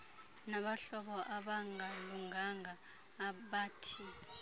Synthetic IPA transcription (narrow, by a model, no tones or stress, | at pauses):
naɓaɬɔɓɔʔaɓaŋʱaluŋaŋaː | ɓaːtʰi